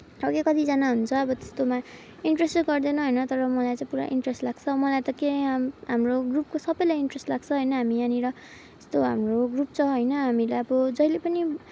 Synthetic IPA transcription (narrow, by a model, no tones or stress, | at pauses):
ʌbʌkekʌt̪id͡zanaɦunt͡sʰʌːbʌt̪e̥st̪oma | iɳʈresʈɡʌrd̪enʌɦʌjnʌt̪ʌɾʌmʌlajt͡sãĩpuɾa̰ʔiɳʈresʈlaɡ̥t͡sʰʌmʌlajt̪ʌkeɦamroɡrup̚kosʌbʌjlajiɳʈresʈlaɡt͡sʰʌɦʌjnʌɦamianiɾʌ | e̥st̪oɦamroɡrup̚t͡sʰʌɦʌjnʌɦamilaʌbʌd͡zʌjlepʌni